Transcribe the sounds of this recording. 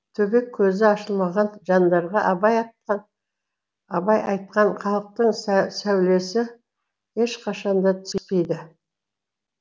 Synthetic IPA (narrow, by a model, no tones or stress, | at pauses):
t̪ʰɵbe̞kʲʰːɵzɪɑʃəlˠmɑʁɑnʒɑnd̪ɑɾʁɑʔɑbɑj | ɑbɑjʔɑ̰jt̪̚qɑɴχɑlˠəq̚t̪əɴsæwle̞sɪ | e̞ʃqʰɑʃɑnd̪ɑt̪ʰɪʏ̥spejd̪ɪ